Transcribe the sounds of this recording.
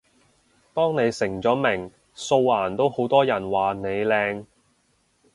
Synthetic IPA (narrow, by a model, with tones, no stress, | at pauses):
t̪ɔː˥ŋne˨˧jsɪ˨˩ŋt͡sɔː˨˥mɪ˨˩ŋ | so˧wlaː˨˩nt̪o˥who˨˥wt̪ɔː˥jɐ˨˩nwaː˨ne˨˧jlɛː˧ŋ